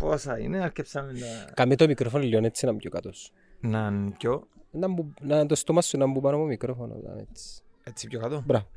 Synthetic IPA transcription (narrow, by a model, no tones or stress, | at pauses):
posɐḭneɐɾcepsɐmeɐkɐmit̪omikɾofonolːionet͡sːinɐmbɟokɐt̪os | nɐnpconɐmbunɐt̪ost̪omɐsːunɐmbubɐnomomikɾofono̰t̪ɐ̰nḛt͡si̥ | et͡sːi̥pjokɐt̪obɾɐvo